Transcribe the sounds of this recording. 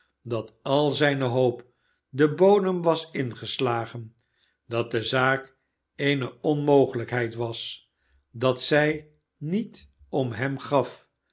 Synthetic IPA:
dɑtɑlˠzɛjnəɦowp | dəbowdəmʋɑsɪnχəslaːχən | dɑt̚dəzaːk | ejnəɔnmowχələkɦɛjtʋɑs | dɑtsɛj | nit | ɔmɦɛmχɑf

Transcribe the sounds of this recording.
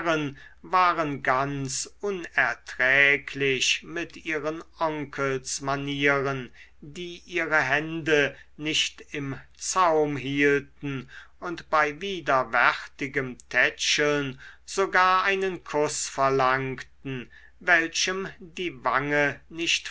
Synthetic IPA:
ʁən | vaːʁənɡant͡sʔʊnɛɐtʁ̥ɛːkʰlɪçmɪtʔiːʁənʔɔŋkʰəlsmaniːʁən | diːʔiːʁəɦɛndə | nɪçtɪmt͡saʊmɦiːltn̩ | ʊntb̥aɪviːdɐvɛʁtɪɡəmtʰɛt͡ʃəl̩nz̥oɡaːɐʔaɪnənkʰʊsfɛɐlaŋktn̩ | vɛlʃəmdiːvaŋənɪçt

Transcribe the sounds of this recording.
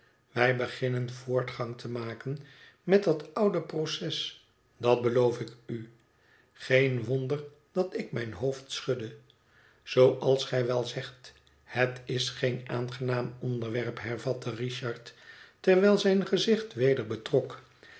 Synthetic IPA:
ʋɛjbəχɪnənv̥ʊːɹtχɑŋtʰəmaːkən | mɛtdɑtʌwdəprosɛs | dɑt̚bəlowfɪky | χejnʋɔndər | d̥ɑtɪk̚mɛjnɦowftsχɵdə | z̥owʔɑlˠsχɛjʋɛlˠzɛχt | hətɪsχejnʔaːnχənaːmɔndəɹʋɛrpɦɛɹvɑtəriʃɑɹttɛɹʋɛlˠzɛjnχəzɪχtʋejdəɹbətrɔk

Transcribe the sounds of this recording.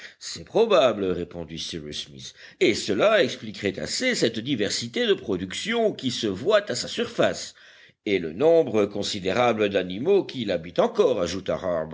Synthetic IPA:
sɛpχɔbablʁepɔ̃d̪isiʁysmḭs | esəlaɛksplikʁɛt̪a̰sesɛt̪d̪ivɛʁsit̪ed̪əpχɔd̪yksjɔ̃kʲisəvwat̪asasyʁfas | elənɔ̃bʁəkɔ̃sid̪eʁabləd̪animokʲilabit̪ɑ̃kɔʁa̰ʒut̪a̰ʁab

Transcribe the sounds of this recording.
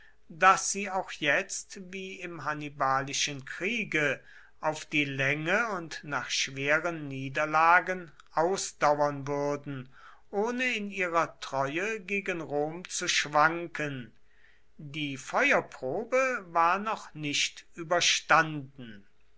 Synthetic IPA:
dasz̥iːaʊxjɛt͡stviːɪmɦanibaːlɪʃənkʁ̥iːɡə | ʔaʊfd̥iːlɛŋəʊntnaːχʃv̥eːʁənːiːdɐlaːɡən | ʔaʊsd̥awɐnvʏɐdn̩ | ʔoːnəɪniːʁɐtʁ̥ɔʏəɡeːɡənʁoːmt͡suʃv̥aŋkən | diːfɔʏɐpʁ̥oːbəvaːɐnɔχnɪʃtʔyːbɐʃtandn̩

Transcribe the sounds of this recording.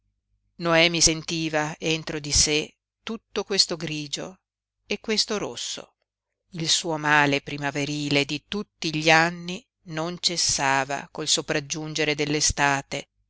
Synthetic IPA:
noɛːmisent̪iːvaent̪ɾod̪ise | t̪ut̪ːokwest̪oɡɾiːd͡ʒo̰ | ekːwest̪oɾosːo̰ | ilsuːomaːlepɾimaveɾiːled̪it̪ut̪ːiʎianːi | nont͡ʃesːaːva̰kolsopɾad͡ʒːund͡ʒeɾed̪elːest̪aːt̪e

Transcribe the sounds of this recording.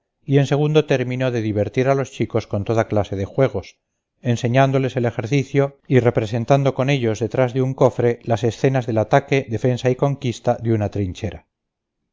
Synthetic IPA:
ie̞nse̞ɣ̞und̪o̞t̪e̞ɾmĩno̞ðe̞ðiβe̞ɾt̪iɾalo̞st͡ʃiko̞skont̪o̞ðaklase̞ð̞e̞xwe̞ɣ̞o̞s | e̞nse̞ɲand̪o̞le̞se̞le̞xe̞ɾθiθjoire̞pɾe̞se̞nt̪and̪o̞ko̞ne̞ʎo̞zðe̞t̪ɾazðeuŋko̞fɾe̞lase̞sθe̞nazðe̞lat̪ake̞ðe̞fe̞nsaiko̞ŋkist̪aðeunat̪ɾiɲt͡ʃeɾa

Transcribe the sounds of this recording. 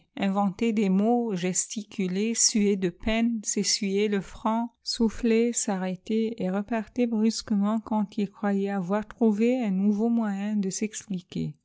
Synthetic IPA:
ɛ̃vɑ̃t̪ed̪emoʒɛst̪ikʲylesyed̪əpɛnsesɥyjeləfχɑ̃suflesaʁet̪eeʁəpaʁt̪ebʁyskəmɑ̃kɑ̃t̪ilkχwajɛavwaʁt̪χuveɛ̃nuvomwajɛ̃d̪əsɛksplikʲḛ

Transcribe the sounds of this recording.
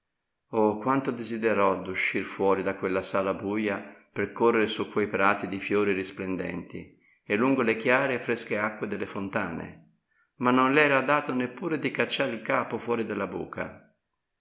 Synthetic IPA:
okwant̪od̪ezid̪eɾɔd̪uʃːirfwɔːɾid̪akwelːasaːlabuːjaperkorːeɾesukːwejpɾaːt̪id̪ifjoːɾiɾisplend̪ɛ̰nt̪ḭ | elːuŋɡolek̟jaːɾefɾeskeakːwed̪elːefont̪a̰ːnḛ | manːonlɛːɾad̪aːt̪ʊnepːuːɾed̪ikat͡ʃːaːɾilkaːpofwɔːɾid̪elːabṵːkʰa̰

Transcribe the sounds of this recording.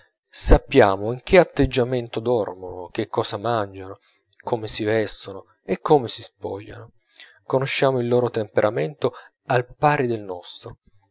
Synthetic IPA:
sapːjaːmoiŋk̟ʰeat̪ːed͡ʒːament̪od̪ɔrmonok̟ekʰːɔːsamand͡ʒano | kʰomesivɛst̪ono | ekːomesispɔ̰ʎːa̰no | konoʃːaːmoilːoːɾot̪empeɾʔament̪o | alpaːɾed̪elnɔst̪ɾo

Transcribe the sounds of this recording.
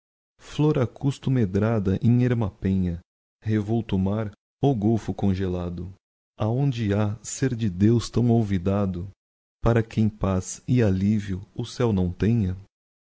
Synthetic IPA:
floɾɐkust̪ʊmed̪ɾad̪ɐʔẽj̃eɾmapẽɲɐ | hevowt̪ʊmaɾ | owɡowfʊkõʒelad̪ʊ | aõnd͡ʒɪaseɾd͡ʒɪd̪ewst̪ɐ̃w̃owvid̪ad̪ʊ | paɾɐkẽj̃pasɪaliviʊʊsɛwnɐ̃w̃t̪ẽɲɐ

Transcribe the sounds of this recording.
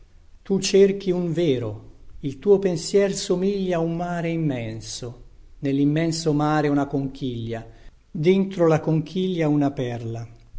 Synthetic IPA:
t̪ut͡ʃerk̟iuɱveːɾoilt̪uːopensjɛːrsomiʎːaumːaːɾeimːɛnsonelːimːɛnsomaːɾeunakoŋk̟iʎːa | d̪ɪnt̪ɾolakoŋk̟ʰiʎːaunapɛrla

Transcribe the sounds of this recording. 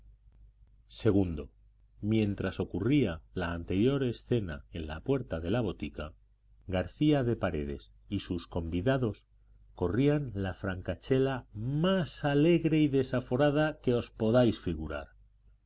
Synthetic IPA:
se̞ɣ̞und̪o̞ | mjẽ̞nt̪ɾaso̞kurialaːnt̪e̞ɾjo̞ɾe̞sθe̞na̰e̞nla̰pwe̞ɾt̪aðe̞laβ̞o̞t̪ika | ɣaɾθiaðe̞paɾe̞ðe̞̰s | isusko̞mbiðaðo̞s | ko̞rianlafɾaŋkat͡ʃe̞lamasale̞ɣɾe̞iðe̞safo̞ɾaðake̞o̞spo̞ðajsfiɣuɾa̰ɾ

